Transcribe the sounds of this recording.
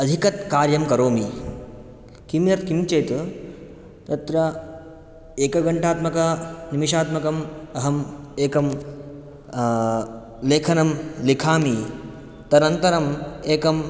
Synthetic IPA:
ɐd̪ʱikɐt̪kaːɾjɐmkɐɾoːmi | kimjɐt̪kimt͡ʃeːt̪ | t̪ɐt̪ɾɐ | eːkɐɡɐɳʈaːt̪mɐkɐnimiʃaːt̪mɐkɐmɐɦɐmeːkɐm | leːkʰɐnɐmlikʰaːmi | t̪ɐɾnɐnt̪ɐɾɐmeːkɐm

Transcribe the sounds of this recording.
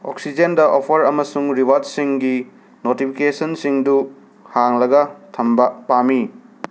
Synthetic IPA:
o̰ksid͡ʒendɐʔopʰɐɾɐmɐsuŋɾiβadsiŋɡi | notipʰikesɐnsiŋdu | haŋlɐɡɐtʰɐmbɐpami

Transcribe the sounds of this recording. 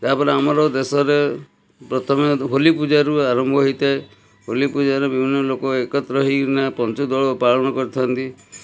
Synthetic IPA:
t̪apɔɾeamɔɾɔd̪esɔɾe | pɾɔt̪ʰɔmɔɦolipud͡ʒaɾuaɾɔmbʱɔɦɔit̪ae | ɦolipud͡ʒaɾɔbibʱinːɔlokɔekɔt̪ɾɔɦinapɔnt͡ʃɔd̪ɔɭpaɭɔñɔkɔɾt̪ʰɔnt̪i

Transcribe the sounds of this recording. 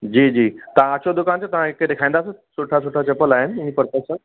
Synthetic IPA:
d͡ʑiːd͡ʑiːt̪ãːt͡ɕod̪ukãnt͡ɕat̪ãekːet̪ekʰãj̃nd̪asəsuʈʰasuʈʰat͡ɕəpəlaɦeninipəɾpasa

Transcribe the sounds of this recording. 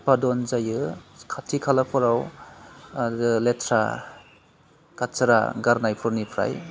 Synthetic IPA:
padɔnzajɯkʰatʰikʰalapʰɔɾaw | letʰɾa̰ | katt͡ʃaɾa̰ɡaɾnajpʰɯɾnipʰɾa̰j

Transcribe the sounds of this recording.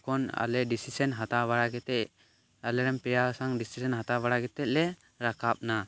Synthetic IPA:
kɔna̰lɛɖisisɛnɦat̪aβaɽaɡɛt̪ɛʔ | alɛɾɛmpɛjasaŋɖisisɛnɦat̪abaɽaɡɛt̪ɛc̪̚ˀlɛ | ɾakap̚na

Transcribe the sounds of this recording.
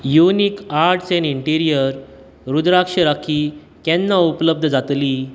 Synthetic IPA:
junikaɾʈt͡seniɳʈiɾijəɾ | ɾud̪ɾakʂəɾakʰiː | kɛ̃nːaupləb̚d̪ʱd͡zat̪liː

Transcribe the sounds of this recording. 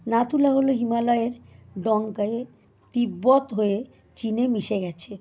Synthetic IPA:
nat̪ulaɦoloɦimalɔeɾɖɔŋkae | t̪ibːot̪ɦoe | t͡ɕinemiʃeɡɛt͡ɕʰe

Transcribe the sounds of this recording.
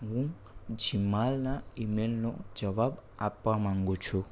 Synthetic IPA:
wu | d͡ʒimalaimɛnlɔ̰d͡ʒaβabapamaŋɡot͡ʃʰo

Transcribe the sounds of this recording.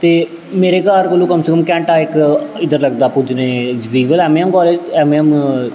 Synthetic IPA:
t̪eː | meːɾeːkaːɾkəlũːkəmseːkəmkɛ̃ːɳʈaːɪkɪd̪əɾləɡd̪aːpʊd͡ʒneːd͡ʒʋiːʋəlɛːmːɛmkɔːleːd͡ʒɛːmɛm

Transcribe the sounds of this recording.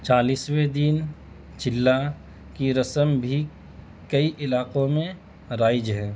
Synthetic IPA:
t͡ʃaːliːswed̪in | t͡ʃɪlːa | kiɾɐsəmbʱi | kɐiʔɪlaːqõmẽ | ɾaːɪd͡ʒɦɛ̃ː

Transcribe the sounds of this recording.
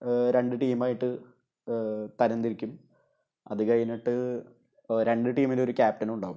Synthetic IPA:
ɾe̞ɳɖɨʈiːmaːjiʈːɨ | t̪ɐɾɐnd̪iɾikʲːum | ɐ̰ðɨkɐjɐniʈːɨ | ɾe̞ɳɖɨʈiːmilo̞ɾukʲaːp̚ʈɐnuɳɖaːʋum

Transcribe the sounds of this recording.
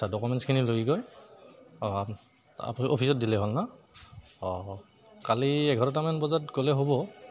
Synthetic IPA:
adɔkumɛnskʰinilojɡɔj | a̰pʔopʰisɔt̚dilɛɦolna | ɔkaliɛɡʱɔɹɔtamanbɔzatkolɛɦobɔ

